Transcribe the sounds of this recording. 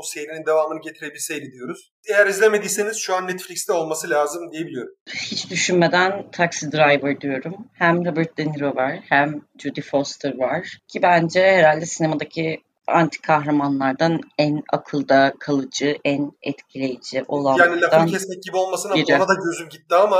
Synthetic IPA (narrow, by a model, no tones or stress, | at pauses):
busejiɾinind̪e̞vaːmɯnɯɟet̪ʰiɾebilʲsejlʲid̪ijo̞ɾuz̥ | ejæɾizlʲeme̞d̪ijseniz̥ʃuanːɛt̪flʲickst̪ɛo̞lˠmasɯlʲaːzɯmd̪ijebilʲijo̞ɾummhit͡ʃd̪yʃynme̞d̪ænt̪ʰaksid̪ɾajvɯɾd̪yjo̞ɾumhæmɾobɯɾt̪̚d̪eniɾovaɾ̥hæmd͡ʒud̪ifost̪ʰɯɾvaɾ̥cʰibænd͡ʒɛheɾalʲd̪ɛsinemad̪acʰi | a̰nt̪ʰi̥kʰaxɾamanlˠaɾd̪anæna̰kʰɯlˠd̪akʰalˠɯd͡ʒɯʔænɛt̪cʰilʲe̞jid͡ʒiʔo̞lˠajaːnilʲad̪anʰɛsneɟibiolˠmasɯnaiɾonad̪aɟø̞zymɟit̪ːiama